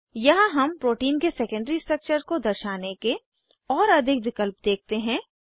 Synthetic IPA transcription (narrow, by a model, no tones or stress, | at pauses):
jɐɦãɦɐmpɾoːʈiːnkesɛːkə̃ɳɖɾisʈɾɐk̚t͡ʃəɾkod̪ɐɾʃaːneke | ɔːɾɐd̪ʱɪkʋɪkəlpd̪eːk̚t̪eɦɛ̃ː